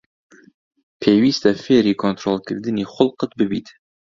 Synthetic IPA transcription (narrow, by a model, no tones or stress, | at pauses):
pʰeːwiːst̪ɛfeːɾiːkʰont̪ɾolkʰɨɾd̪ɨniːχʊlqɨt̪̚bɨbḭːt̪